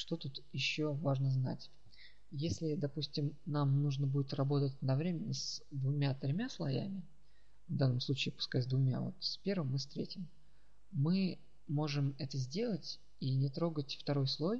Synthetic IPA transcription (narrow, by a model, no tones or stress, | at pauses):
ʂt̪o̞t̪ut̪jɪɕːovaʐnəzna̰tʲ | jesʲlʲɪd̪ɐpusʲtʲɪmnamnuʐnəbudʲɪt̪rɐbo̞t̪ətʲd̪ɐvɾʲemʲɪnʲːəsd̪vʊmʲat̪ɾʲɪmʲaslˠɐjæ̰mʲɪ | vd̪anːəmslˠut͡ɕiɪːpʊ̥skatʲzʲd̪vʊmʲa̰vo̞̰t̪sʲpʲe̞rvɨmːɨfst̪ɾʲetʲɪm | mɨ | mo̞ʐɨmɛt̪əzʲdʲe̞lˠətʲ | inʲɪt̪ɾo̞ɡətʲft̪ɐɾo̞jslˠo̞j